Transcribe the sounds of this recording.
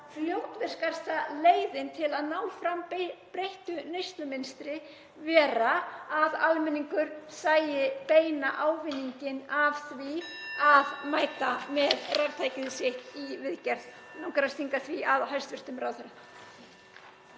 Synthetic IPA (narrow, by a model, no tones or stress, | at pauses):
fljowt̪vɛr̥skar̥st̪aleːjðɪnt̪ʰɪlaðnaːwfɾampɾejht̪ʏnejst̪lʏmɪnst̪ɾɪ | vɛːɾaːðalmɛniŋkʏɾ̥saːjɪpeːjnaʔaːwvɪnːiɲcɪnav̥θviaðmaːjt̪amɛðraɾt̪ʰajcɪðsɪht̪ivɪðcɛɾ̥ð | nawkɾast̪iŋkaθviaðɦajst̪vɪst̪ʏmɾawθʏɾa